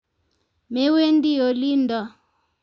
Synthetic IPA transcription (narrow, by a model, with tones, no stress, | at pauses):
mɛ˦we˦ndi˦jɔ˨liː˦ndwa˨